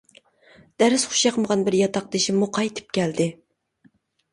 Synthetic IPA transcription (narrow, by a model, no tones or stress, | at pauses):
d̪̥æɾɪsχʊ̥ʃjɑqʰəməʁɑnbɪɾjɑt̪ʰɑq̚d̪ɪʃimːuqʰɑjt̪ʰɨ̥p̚kʲʰæld̪ɪ